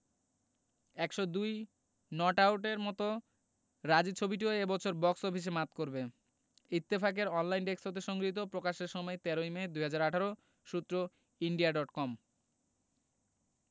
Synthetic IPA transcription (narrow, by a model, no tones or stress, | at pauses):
ɛkʃɔd̪uj | nɔʈawʈeɾmɔt̪o | ɾad͡ʑit͡ɕʰobiʈ̬ioebɔt͡ɕʰoɾbɔksobʰʱiʃ̬emat̪koɾbe | it̪ːefak̬eɾɔnlajnɖeksot̪eʃɔŋɡɾit̪̬opɾokaʃeɾʃɔmɔet̪ɛɾojmed̪ujɦad͡ʑaɾaʈʰaɾo | ʃut̪ːɾo | iɳɖiaɖɔʈkɔm